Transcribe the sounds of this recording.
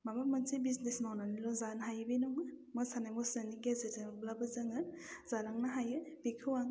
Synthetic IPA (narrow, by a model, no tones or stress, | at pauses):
mabamɯnsibiznesnawnanilɔzanɦajɯbinɔŋɯmɯsanajmɔsaniɡezitamblabɯzaŋɯɾz̥aɾaŋnaɦajɯbikʰɯwaŋ